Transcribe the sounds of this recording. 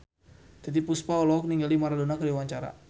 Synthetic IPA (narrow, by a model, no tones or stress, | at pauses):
t̪ɛt̪ipuspaɔlɔɔk̚niŋɡalimaɾadonakəɾiwaɲt͡ʃaɾa̰